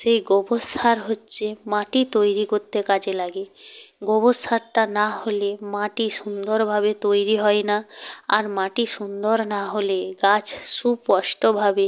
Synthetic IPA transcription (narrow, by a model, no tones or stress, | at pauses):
ʃejɡɔbost̪ʰaɾɦotːɕʰemaʈit̪ojɾikoɾt̪ːekad͡ʑelaɡeɡɔbost̪ʰaɾʈanaholemaʈiʃund̪oɾbʱabet̪ojɾiɦɔenaaɾmaʈiʃund̪oɾnaɦoleɡat͡ɕʰʃupːɔʃʈobʱabe